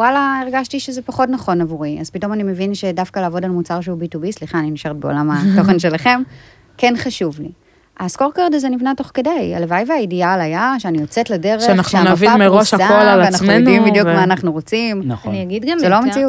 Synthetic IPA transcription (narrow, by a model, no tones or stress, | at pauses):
walaeʁɡaʃtiʃezepaχotnaχo̞navuʁia̰z̥pito̞manime̞vinʃedafkalaːvo̞dalmut͡saʁʃ̬eubitubisliχaːniniʃaʁet̚be̞o̰lamato̞χenʃe̞laχe̞m | ke̞nχaʃuvli | ʔasko̞ʁkaʁdazenivnato̞χkedeja̰levajvajidialajaʃeanijot͡setlade̞ʁeanaχʃeanaviameʁoʃhaaolalaanaχmuejonimbidjukmmaːnaχnuʁo̞t͡simnaχniaɡidɡamzelomet͡siu